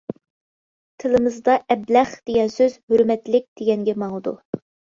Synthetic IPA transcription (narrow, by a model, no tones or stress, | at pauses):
t̪ʰɨlˠɨmɨzd̪ɑɛblæχd̪̥eɡʲɛnsøzhøɾmɛt̪lɪk̚ʲd̪̥eɡʲɛŋɡʲɛmɑŋˠɨd̪ṵ